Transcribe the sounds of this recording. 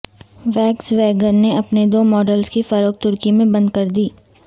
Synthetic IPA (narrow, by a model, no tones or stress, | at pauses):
ʋɛːksʋɛːɡəɾneɐpned̪oːmɔːɖəlskifɐɾoːk̚t̪ʊɾkimẽbɐ̃nd̪̚kɐɾd̪iː